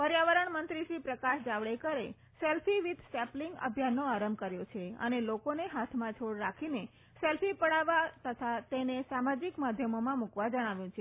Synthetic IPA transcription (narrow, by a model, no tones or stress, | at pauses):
pəɾjaʋəɾəɳmənt̪ɾiʃipɾəkaʃd͡ʒaʋɭekəɾe | sɛlfʰiʋid̪ʱsɛpliŋɡə̰bʱjanːoaɾəmkəɾjot͡ʃʰeə̰nelokoneɦat̪ʰmãt͡ʃʰoɽɾakʰine | sɛlfipəɽaʋat̪ət̪ʰat̪enesamad͡ʒikmad̪ʱjəmomãmukʋad͡ʒəɽ̃aʋjũt͡ʃʰe